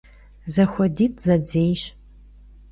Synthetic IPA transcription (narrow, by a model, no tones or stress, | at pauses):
zɐxʷɔdiːtʰʼzɐd͡zeːjɕ